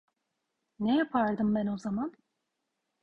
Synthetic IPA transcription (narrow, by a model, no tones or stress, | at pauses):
nejapʰaɾd̪ɯmbæno̞zaman